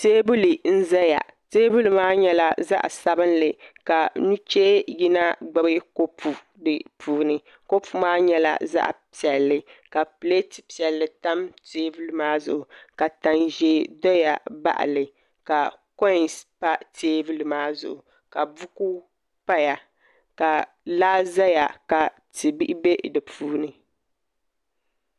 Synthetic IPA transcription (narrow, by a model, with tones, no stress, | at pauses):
teː˦bu˦li˨n̩˦zɛ˦ja̰˨teː˦bu˦lmaː˦ɲɛ˦la˦za̰˦ʔsa˦bɨ˦nlɨ˨ka˨nu˦t͡ʃe˦ji˦na˦ɡ͡bɨ˦bɨ˦ko˦pʰu˨ | dɨ˨pʰuː˨nɨ˨ | ko˦pʰu˨maː˦ɲɛ˦la̰˦za̰˦ʔpi˨ɛ˨lːɨ˨ka˨pɨ˨le˦ti˨pi˨ɛ˨lːɨ˨ta˦mteː˦bu˦lɨ˨˦maː˦zʊ̰˨ʔʊ˨ka˨ta˨nʒe˨dɔ˦ja˨ba̰˦ʔa̰˨lɨ˨ | ka˨ | kɔ˦˨spa˦teː˦vɨ˦lmaː˦zʊ˨ʔʊ˨ | ka˨bu˦ku˦ | pa˦ja˨ | ka˨ | laː˦za˦ja˨ka˨ | tɨ˨bi˦ʔɪ˦be˦dɨ˨pʰuː˦nɨ˨